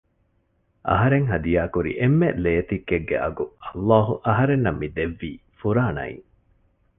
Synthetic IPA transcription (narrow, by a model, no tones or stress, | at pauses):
ʔɐ̰ɦɐɾeŋɦɐd̪ijaːkuɾḭʔemːeleːt̪ikːeɡːḛʔɐ̰ɡuɐlːaːɦuʔɐɦɐɾenːɐmːid̪eʋːiːfuɾaːnɐ̰ḭŋ